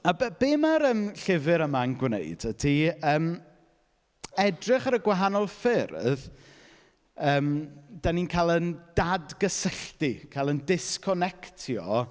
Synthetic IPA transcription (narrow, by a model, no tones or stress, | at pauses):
abbeːmaɾəːmɬɪvɨɾəmanɡwnḛjd̥ədʰiəːm | ɛdrɪχəɾəɡwaɦanɔlˠfɪrð | əːmd̥aninkʰalˠənd̥adɡ̥əsəɬtikʰalˠəndɪskʰɔnɛktʰjɔ